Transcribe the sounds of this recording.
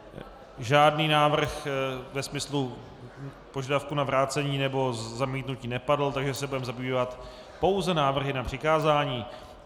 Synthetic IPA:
ʒaːdniːnaːvr̩xvɛsmɪslu | po̞ʒadafkunavɾaːt͡sɛɲiːnɛbo̞zamiːt̪nuciːnɛpadl̩t̪aɡʒɛsɛbudɛmzabiːvat̪ | po̞wzɛnaːvr̩ɦɪnapr̝̥ɪkaːzaːɲiː

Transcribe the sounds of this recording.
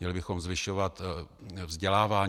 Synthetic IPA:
ɲɛlɪbɪxomzvɪʃovat̪vzɟɛlaːvaː

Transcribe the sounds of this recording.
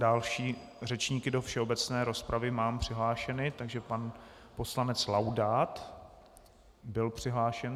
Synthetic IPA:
dalʃiː | r̝ɛt͡ʃɲiːkɪdo̞fʃɛo̞bɛt͡snɛːɾo̞spɾʔavɪmaːmpr̝̥ɪɦlaːʃɛnɪt̪aɡʒɛpan | po̞slanɛt͡slawdaːt̪ | bɪlpr̝̥ɪɦlaːʃɛn

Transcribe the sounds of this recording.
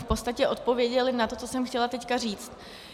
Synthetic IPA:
fpost̪acɛʔo̞t̪̚po̞vjɛɟɛlɪnat̪o̞t͡so̞sɛmxcɛlat̪ɛckar̝iːt͡st̪

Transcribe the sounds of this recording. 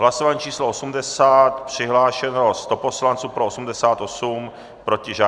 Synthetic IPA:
ɦlasovaɲiːt͡ʃiːsloʔosumdɛsaːt̪pr̝̥ɪɦlaːʃɛnost̪o̞po̞slant͡suːpɾoosumdɛsaːt̪ʔo̞sum | pɾo̞cɪʒaː

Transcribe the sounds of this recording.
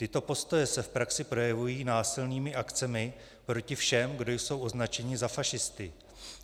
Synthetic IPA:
t̪ɪt̪o̞po̞st̪o̞jɛsɛfpɾaksɪpɾo̞jɛvujiːnaːsɪlniːmɪʔakt͡sɛmɪ | pɾo̞cɪfʃɛmɡdo̞jso̞wʔo̞znat͡ʃɛɲɪzafaʃɪst̪ɪ

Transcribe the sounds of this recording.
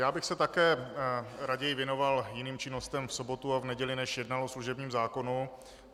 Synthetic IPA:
jaːbɪxsɛt̪akɛː | ɾaɟɛjɪvjɛno̞valjɪniːmt͡ʃɪno̞st̪ɛmfso̞bo̞t̪uavnɛɟɛlɪnɛʃjɛdnalosluʒɛbɲiːmzaːko̞nu

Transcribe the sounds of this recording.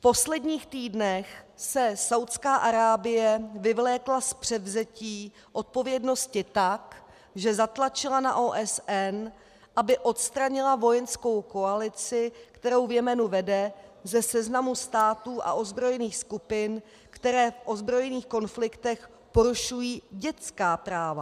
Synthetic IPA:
fpo̞slɛdɲiːxt̪iːdnɛxsɛsawt̪skaːʔaɾaːbɪjɛvɪvlɛːklaspr̝̥ɛd̪vzɛciː | ʔo̞t̪̚po̞vjɛdno̞scɪt̪ak | ʒɛzat̪lat͡ʃɪlana̰ʔoːʔɛsʔɛn | ʔabɪʔo̞t̪st̪ɾaɲɪlavo̞jɛnsko̞wko̞alɪt͡sɪkt̪ɛɾo̞wvjɛmɛnuvɛdɛzɛsɛznamust̪aːt̪uːʔa̰ʔo̞zbɾo̞jɛniːxskupɪn | kt̪ɛɾɛːfʔo̞zbɾo̞jɛniːxko̞nflɪkt̪ɛx | po̞ɾuʃujiːɟɛt͡skaːpɾaːva

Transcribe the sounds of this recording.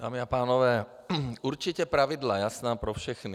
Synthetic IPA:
d̥̪a̰ːmiapaːnɔʋɛː | uɾt͡ʃicɛpɾaʋid̪lajasnaːpɾɔfʃɛxni

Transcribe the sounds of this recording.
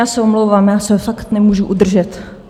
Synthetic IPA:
aːsɛomlowvaːmjaːsɛfakt̪nɛmuʒuʔud̪r̩ʒɛt̪

